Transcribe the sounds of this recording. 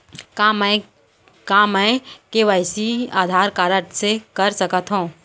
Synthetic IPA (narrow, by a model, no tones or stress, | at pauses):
kamɛ | kamɛ̃keʋaɪsia̰ːd̪ʱaːɾkaːɾəʈsekɐɾsɐkət̪ɦũː